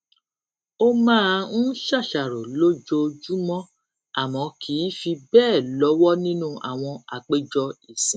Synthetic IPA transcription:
o˧mãː˦n̩˦ʃa˦˨ʃa˨ɾo˨lo˦d͡ʒo˧d͡ʒu˦mɔ̃˦ | a˦˨mɔ̃˨˧˦kʰi˨˦fi˧bɛː˦˨lɔ˨˦wɔ˦nĩ˦nũ˦a̰˨w̃ɔ̃˧a˨k͡pe˦d͡ʒɔ˧i˨sĩ˨˦

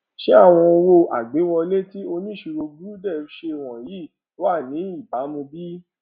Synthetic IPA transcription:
ʃe˦a˦˨w̃ɔ̃˧o˧wo˧ʔa̰˨ɡ͡be˨˦wɔ˧le˦ti˦o˧nĩ˦ʃu˧ɾo˧ɡu˦dɛ˦˨˦ʃe˧˨w̃ɔ̃˨ji˨˦˨ | lo˨˦a˦˨nĩ˨˦i˦˨ba˨˦mũ˧bi˦

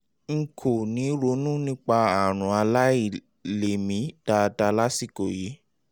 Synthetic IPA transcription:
ŋ̩˨kʰo˨nĩ˨˦ɾo˨˦nũ˦nĩ˦k͡pa˧a˦˨ɾ̃ũ˨a˧la˦i˦˨ | le˨mĩ˨˦d̥a˧da˧la˦si˦˨ko˨ji˨˦

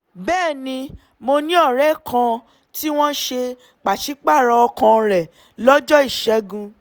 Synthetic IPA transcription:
bɛː˦˨nĩ˧ | mo˧nĩ˦ɔ˦˨ɾɛ˦kʰã˧ | ti˦w̃ɔ̃˦ʃe˧ | k͡pa˨ʃi˨˦k͡pa˦˨ɾɔ˧ɔ˧kã˧ɾɛ˨ | lɔ˦d͡ʒɔ˦i˦˨ʃɛ˨˦ɡũ˧

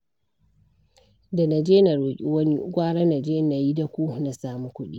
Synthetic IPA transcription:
da˨na˨d͡ʒeː˦na˨ɾoː˨kʲʼi˦wɐ˦ni˦ɡʷaː˦ɽa˦na˨d͡ʒeː˦na˨ji˦da˨kʷu˦na˨saː˦mu˨kʷʊ˦ɗḭ˦

